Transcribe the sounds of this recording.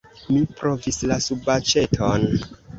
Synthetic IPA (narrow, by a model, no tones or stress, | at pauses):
mipɾo̞vislasubat͡ʃe̞tʰon